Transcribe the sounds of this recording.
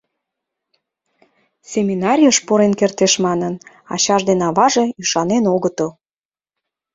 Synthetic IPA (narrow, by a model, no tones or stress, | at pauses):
sʲemʲinɑɾʲijəʃpoɾenkert̪eʃmɑnən | ɑ̰ɕɑʒd̪enɑβɑʒeyʃɑnenoɣət̪əl